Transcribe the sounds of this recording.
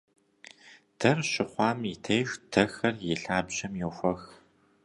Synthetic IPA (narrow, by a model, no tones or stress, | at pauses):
d̥ɐrɕɪχʷɑːmitʰɐjʃd̥ɐxɐrjɪɬaːbʑɐmjɛwxʷɐx